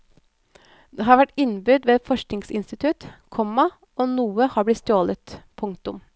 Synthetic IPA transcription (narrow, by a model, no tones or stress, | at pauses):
d̪eːɦɑːɾʋæʈɪnbʏd̪ʋeːfɔʂknɪŋsɪnst̪ɪt̪ʰʉt̪kʰɔmɑ | oːnuːəhɑːblɪt̪st̪oːlət̪pʰʊŋkt̪ʊm